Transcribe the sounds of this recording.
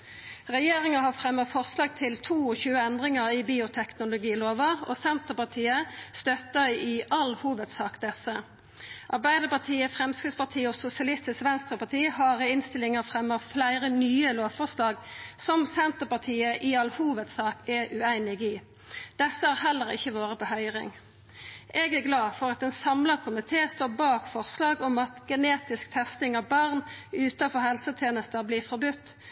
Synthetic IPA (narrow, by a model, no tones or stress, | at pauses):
ʁɛjeːʁɪŋəhɑfʁɛmːəʁfɔʁslɑːɡ̚t̪ʰɪlt̪ʰuːɔçʉːəɛnd̪ʁɪŋəʁibiːʊt̪ʰɛknʊlʊɡiːloːʋəɔ̰sɛnt̪əpɑʁt̪ʰiːəst̪œt̪əʁiʔɑlhuːʋət̪sɑːkd̪ɛsə | ʔɑʁbæɪd̪əpɑt̪ʰiːəfʁɛmskʁɪd̪spɑt̪ʰiːɔsʊsɪɑlɪst̪ɪsʋɛnst̪ʁəpɑt̪ʰiːhɑːʁɪnst̪ɪlɪŋəfʁɛmːəʁflæɪʁənyːəloːʋfɔʁslɑːɡsɔmsɛnt̪əʁpɑʁt̪ʰiːəʔiɑlhuːʋət̪sɑːkɛʔʉæɪnɪɡiː | d̪̥ɛsːəhɑːʁɦɛlːəʁɪ̰çːəʋoːʁəpɔhœʏʁɪ̰ŋ | ʔɛɡæʁɡlɑːfɔʁɑt̪ɛnsɑmləʁkʰʊmɪt̪ʰeːst̪oːbɑːkfɔʁslɑːɡɔmɑt̪ɡ̥ɛneːt̪ɪsk̚t̪ʰɛst̪ɪŋɑʋbɑʁnʉːt̪ɑfɔhɛlsət̪ʰjeːnəst̪əbliːʁfɔɾbʉt̪ː